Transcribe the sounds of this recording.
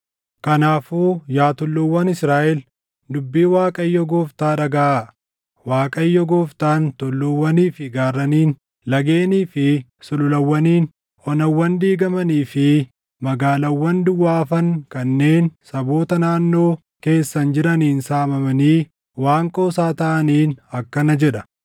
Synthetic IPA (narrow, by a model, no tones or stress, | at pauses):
kɐnaːfuːjaːt̪ʊlːʊwːɐnɪsɾaːʔɛl | d̪ʊbːiːwaːkʼɐjːɔɡoːft̪aːᶑɐɡɐʔa | waːkʼɐjːɔɡoːft̪aːnt̪ʊlːʊwːɐniːfɪɡaːrːɐniːn | lɐɡeːniːfɪsʊlʊlɐwːɐniːn | ʔɔnɐwːɐnd̪iːɡɐmɐniːfɪ | mɐɡaːlɐwːɐnd̪ʊwːaːfɐŋkɐnːe̞ːnsɐbo̞ːt̪ɐnaːnːo̞ː | ke̞ːsːɐnd͡ʒɪɾɐniːnsaːmɐmɐniː | waːŋkʼoːsaːt̪ɐʔɐniːnɐkːɐnɐd͡ʒɛᶑɐ